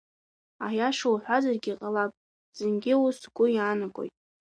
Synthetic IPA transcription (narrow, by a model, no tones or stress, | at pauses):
ajaʃowħʷazarɡʲiqʼalapʼ | z̥ɨnɡʲɪwusɡʷʼʊjaːnaɡʷʼo̰jtʼ